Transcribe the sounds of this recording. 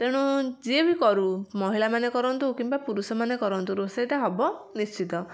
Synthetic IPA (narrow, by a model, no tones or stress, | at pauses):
t̪eɽ̃ud͡ʒiebikɔɾumɔɦilamanekɔɾɔnt̪ukimbapuɾusɔmanekɔɾɔnt̪uɾosajt̪aɦɔbɔnist͡ʃit̪ɔ